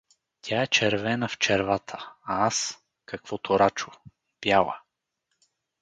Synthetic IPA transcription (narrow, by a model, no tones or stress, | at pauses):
t̪ʲʰaɛt͡ʃɛɾvɛnəft͡ʃɛɾvat̪ʰə̥aas | kɐkv̥ɔt̪ʰoɾat͡ʃʊ̥ | b̥jalˠə̰